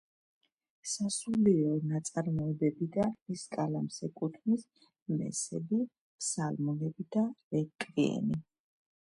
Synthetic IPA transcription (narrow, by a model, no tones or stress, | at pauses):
sasuliɔnat̪sʼaɾmɔɛbɛbid̪amiskʼalamsɛkʼut̪ʰnis | mɛ̰sɛbi | pʰsalmɔnɛbid̪aɛkʼɾiɛ̰ni